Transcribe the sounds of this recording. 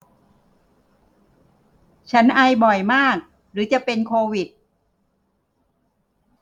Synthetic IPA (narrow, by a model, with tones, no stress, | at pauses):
t͡ɕʰa˦˥nʔa˧jbɔ˨˩jmaː˥˩k̚ | ɾɯː˩˦t͡ɕa˨˩pe˧nkʰoː˧wi˨˩t̪̚